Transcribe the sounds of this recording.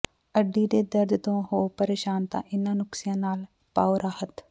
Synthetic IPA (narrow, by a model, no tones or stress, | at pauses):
əɖːiːd̪eːd̪əɾd̪t̪õːɦoːpəɾeːʃaːnt̪ã̰ːʔɪnːãːnʊksɪjãːnaːl | paːoɾaːhət̪